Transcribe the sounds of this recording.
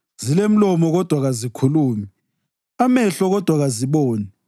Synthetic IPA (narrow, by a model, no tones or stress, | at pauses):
zilem̩lɔmɔɣɔd̥ʱwaɣazikʰuluːmii | amɛɬɔɣɔd̥ʱwaɣaziɓɔːnɛ